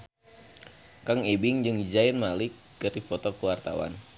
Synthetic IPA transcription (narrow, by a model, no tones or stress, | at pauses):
kaŋɛbɪŋd͡ʒɨŋd͡ʒainmalɪkːɨripɔt̪ɔkəwart̪a̰wa̰n